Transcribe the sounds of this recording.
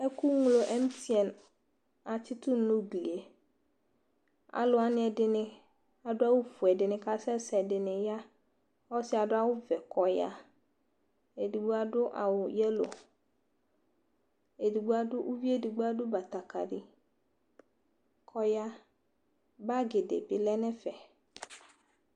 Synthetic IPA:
ɛ˦ku˦ŋ˦lo˨ʔɛ˦m˦ti˦ɛ˨n | a˨t͡ʃɪ˦tʊ˦nʊ̃˦ɡli˨e˨ | a̰˨lʊ˨˦a˨nɪ̃˦ɛ˨dɪ˨nɪ̃˦ | a˨dʊ˦a˦wʊ˦fu˨ɛ˨dɪ˨nɪ̃˨ka˦sɛ˦sɛ˨dɪ˨nɪ̃˨ja˦ | ɔ˦sɪ˦a˨dʊ˦a˦wʊ˦vɛ˨kʰɔ˨ja̰˦ | e˨di˨ɡ͡bo˦a˨dʊ˦ʔa̰˨wʊ˨jɛ˦lo̰˨ | e˨di˨ɡ͡bʊ˦a˦dʊ˦ʔu˦vi˦e˦di˨ɡ͡bo˦a˦dʊ˦ba˨t̪a˨ka̰˨ɖi˨ | kʰɔ˦ja˦ | ba˦ɡe˨dḛ˨bɪ˨lɛ˦nɛ̃˦fɛ˨

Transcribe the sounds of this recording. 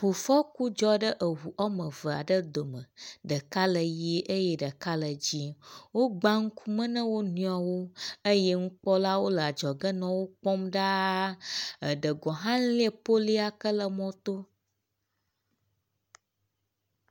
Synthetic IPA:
ɸu˨fɔ˦ku˦d͡ʒɔ˦ɖə˦ʔə˨ɦu˨ʔɔ˦mə̃˨və˨a̰˨ɖə˦d̪o˨mə̃˨ɖə˨ka˦lə˨ji˦ʔə˦jɛ˦ɖə˨ka˦lə˨d͡ʑi˦wo˦ɡ͡ba˦ŋ̩˦kʰu˦mə̃˦nə̃˦wo˦nũ˦a˨wo˦ə˦jɛ˦ŋ̩˦k͡pɔ˦la˦wo˦lə˨a˨d͡ʒɔ˨ɡə˦nɔ̃˨wo˦k͡pɔ˦mɖa˦ | ə˨ɖə˨ɡɔ˨ɦã˦li˦e˨po˦li˦a˦kə˦lə˨mɔ̃˦t̪o˦

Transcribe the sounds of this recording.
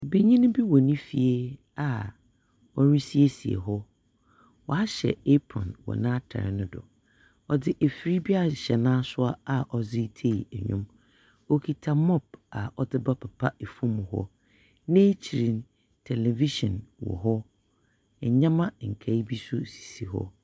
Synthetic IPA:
be˦ɲĩ˦nʊ̃˦bi˦wɔ˨nĩ˦fi˨e˦ | a˨ | ɔ˦ɲĩ˦si˦e˦si˨ḛ˨ɦɔ˦ | wɔ˨a˦ɕɛ̰˨e˦pʰɔ̰̃˨nwɔ̰˨nã˦tʰa̰˨ɾɪ̰˨˦nʊ̃˦dɔ̰˨ | ɔ˨dɪ˦ʔe˨fi˨˦ɾi˦bi˦a˦˨ɕɛ˨nãː˦sʊ˦a˦a˨ʔɔ˨zɪ˦tʰe˦˨i˨æ˨ɲʊ̰̃˦m | o˦kʰi˨tʰa˨mɔ˦˨ba˨ɔ˦dɪ˦ba˦pʰa˨pʰa˦e˨fũ˦mʊ̃˨ɦɔ̰˦ | nẽː˦t͡ɕʰi˨ɾĩ˨n | tʰɛ˨le˨vi˦ʃɔ̰̃˨nwɔ̰˨ɦɔ˦˨ | ɲã˦mã˦ŋ̩˨kʰa˨i˦bi˦sʊ˦si̥˨si˨ɦɔ̰˦

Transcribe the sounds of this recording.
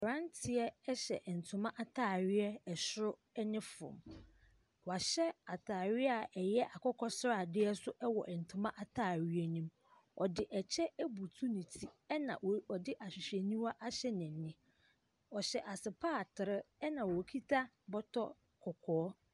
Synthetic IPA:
ɾã˦ntʰɪ˨ɛ˦ɛ˦ɕɛ̰˨ʔn̩˨tʰʊ˨mã˦ʔa˦tʰaː˦˨ɥɪ˦ɛ˦ɛ˨ɕɾʊ˦ | ɛ˦nɪ̃˦fʊ̰̃˨m | wɔ˨a˨ɕɛ˦a˨tʰaː˨ɥɪ˦a˨ʔɛ˨jɛ˦ʔa˨kʰɔ˦kʰɔ˦sɾa˨dɪ˦ɛ˦sʊ˦ʔɛ˦wɔ̰˨ʔɛ˨n̩˨tʰʊ̃˨mã˦ʔa˨tʰaː˦˨ɥi˦ɛ˦nĩ˦m | ɔ˨dɪ˨ʔɛ˨t͡ɕʰɛ˦æ˦bu˨tʰu˦nĩ˨tʰi˦ɛ˦nã̰˨ɔ˨dɪ˦ʔa˨ɕᶣɪ˨ɕᶣɛ˨nĩ˦ma˦ʔa˦ɕɛ˦nɪ̃˨nɪ̃˦ | ɔ˨ɕɛ˨ʔa˨sɪ˨pʰaː˦˨tʰɪ˨ɾɪ˦ɛ˦nã˨wɔ˨kʰi˦tʰa˦ | bɔ˦tʰɔ˦ | kʰɔ˨kʰɔː˨˦

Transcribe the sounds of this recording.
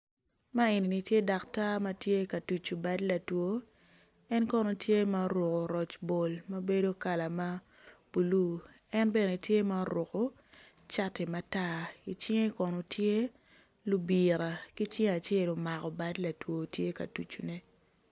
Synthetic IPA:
ma˦e˨ni˨ni˨tje˦da˨kta˦ma˦tje˦ka˨tu˨t͡ʃu˨ba˦dla˨two˦ | ɛ˦nkɔ˦no˨tje˦ma˦ɾʊ˨ko˨ɾɔ˨t͡ʃbo˨lma˦be˦do˦ka˨la˨ma˦ | b̥u˨lu˦ | ɛ˦nbɛ˦ne˨tje˦ma˦ɾo˨ko˨ | t͡ʃa˦te˨ma˨ta˦i˨t͡ʃɪ˦ŋe˦kɔ˨no˨tʰje˦ | lu˦bi˨ɾa˨ki˦t͡ʃɪ˦ŋa˨t͡ʃe˦˨lo˨ma˨kɔ˨ba˦dla˨two˨tje˦ka̰˨tu˨t͡ʃu˨ne˨

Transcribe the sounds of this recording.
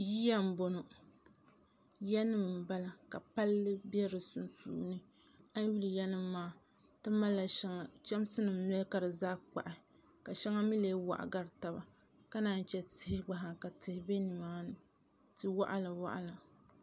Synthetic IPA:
ji˦ja˦m̩˨bo˨no˨ | jɛ˦nɨ˦m˨ba˦la˨ka˨pa˦lːɨ˦bɛ˦ɾɨ˨su˨nsṵː˨˦nɨ˦ | a˦n˦ju˦lɨ˨jɛ˦nɨ˦mːaː˦ | tɨ˦ma˦lːa˨ʃɛ˦ŋa˨t͡ʃɛ˦m˦sɨ˦nɨ˨m˦mɛ˦lka˦ɾɨ˨zaː˦k͡pa̰˨ʔɪ˨ | ka˨ʃɛ˦ŋa˦mi˦leː˦wa̰˨ʔa̰˨ɡa˦ɾta˦ba˨ | ka˦naː˨˦˨n˦t͡ʃɛ˦tɪ˦hɪ˦ɡ͡ba˨ɦa˨ka˨tɨ˨hɪ˦be˦nɨ˨maː˦nɨ˨ | tɨ˨wa˦ʔa̰˦la˨wa̰˦ʔa̰˦la˨

